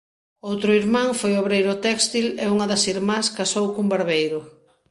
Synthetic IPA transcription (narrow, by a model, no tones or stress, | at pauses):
owt̪ɾʊiɾmãŋfojoβɾejɾʊt̪ɛkst̪ileuŋɐðɐsiɾmãskasowkumbaɾβejɾʊ